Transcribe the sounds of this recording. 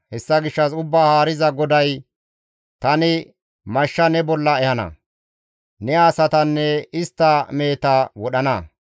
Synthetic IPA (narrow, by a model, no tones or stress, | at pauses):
hɛsːɐɡɪʃːɐsʊbːaːhaːɾɪzɐɡɔd̪ɐj | t̪ɐnɪ | mɐʃːɐnɛbɔlːɐɛhɐnɐ̰ | nɛaːsɐt̪ɐnːɛɪst̪ːɐme̞ːt̪ɐwɔɗɐnɐ